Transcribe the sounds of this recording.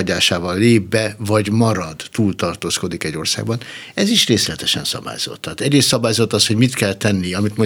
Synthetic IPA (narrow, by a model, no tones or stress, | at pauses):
ɟaːʃaːvɒlːeːbːɛvɒɟmɒɾɒd̪ːuːlt̪ɒrt̪oːsko̞d̪ikɛɟːo̞rsa̰ːɡbɒn | ɛziʃreːslɛt̪ɛʃɛ̰nsɒ̰ba̰ːjz̥o̰t̪ʰːaːt̪ɛɟreːst̪sɒbaːjozot̪ːɒsho̞ɟmit̪kɛlt̪ɛnːiɒmit̪mo